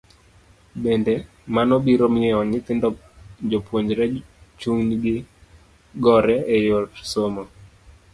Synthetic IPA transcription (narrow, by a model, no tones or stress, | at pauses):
bendɛ | manobiɾomɪɛɔɲɪt̪ɪndɔ | d͡ʒopwoɲd͡ʒɾɛt͡ʃuŋɲiɡɪ | ɡɔɾɛejotsomo